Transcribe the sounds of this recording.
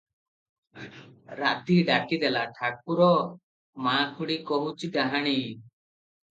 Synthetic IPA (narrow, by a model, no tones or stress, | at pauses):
ɾa̰ʔt̪iɖakid̪ɛlaʈʰak̚uɾɔ | makʰuɽikɔɦut͡ʃʰiɡaɦaɽ̃i